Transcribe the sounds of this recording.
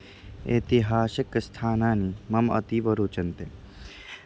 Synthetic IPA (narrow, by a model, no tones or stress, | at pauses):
ḛt̪iɦaːsɐkst̪ʰaːnaːnimɐmɐ̰t̪iːʋɐɾoːt͡ʃɐnt̪e